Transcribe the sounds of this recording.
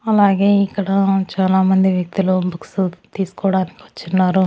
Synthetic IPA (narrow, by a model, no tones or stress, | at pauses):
ɐlaːɡe̞ːikːɐɽɐt͡ʃaːlaːmɐnd̪iʋjɐk̚t̪ulubɐksut̪iːsu̥kɔːɽaːnikiʋɐt͡ʃːunːaːɾu